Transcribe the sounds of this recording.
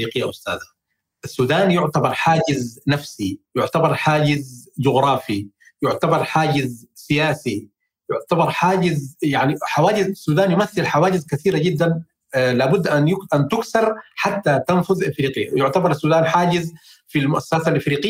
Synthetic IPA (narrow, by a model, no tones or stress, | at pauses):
iːqɪjːaʔʊst̪a̰ːd̪a | ʔasːuːd̪aːnjʊʕt̪abɑɾˤħaːɟɪznafsijʊʕt̪abɑɾˤħaːɟɪzd͡ʒʊɣɾˤɑːfi | jʊʕt̪abɑɾˤħaːɟɪzsɪjaːsi | jʊʕt̪abɑɾˤħaːɟɪzjaʕniħawaːɟɪzasːuːd̪aːnjʊmaθːɪlħawaːɟɪzkaθiːɾaɟɪd̪ːan | laːbʊd̪ːʔanjʊʔant̪ʊksɑɾˤħat̪ːat̪anfʊðʔafɾiːqɪjːa̰jʊʕt̪abɑɾˤasːuːd̪aːnħaːɟɪz | filmʊʔasːaːsalʔafɾiːqɪ